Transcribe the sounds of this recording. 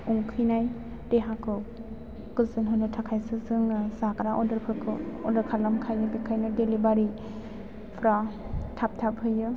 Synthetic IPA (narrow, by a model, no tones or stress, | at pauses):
uŋkʰɯjnaj | deɦakʰɯ | kɯlsɯnɦɯnɯtʰakʰajsɯsɯŋsakɾaʔɔdɯɾpʰɯkʰɯɔdɯɾkʰalamkʰajɯbikʰajnɯdelibaɾi | pʰɾa | tʰap̚tʰap̚hɯjːɯ